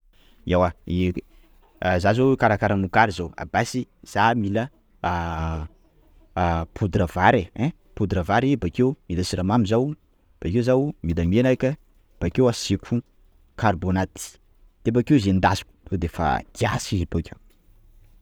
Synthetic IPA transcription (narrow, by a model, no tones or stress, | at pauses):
awai | zazowekaɾakaɾəmukaɾizowa̰basiz̥amilə | pʰud̪ɾəvaɾeɛ̃ | pud̪ɾəvaɾebakewmilasiɾamamizaw | b̥akewzawmid̪amenajkʲə | b̥akewasekʰu | karbonat̪i̥ | t̪ep̬akewzend̪azi̥ku̥od̪efa̰ɡ̪̥ia̰sizipakew